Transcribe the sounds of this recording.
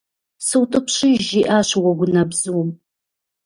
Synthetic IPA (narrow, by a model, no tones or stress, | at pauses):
sɨwtʼɨpɕʼiʒiʔaːɕwɐɡʷʊnɐbzɨwm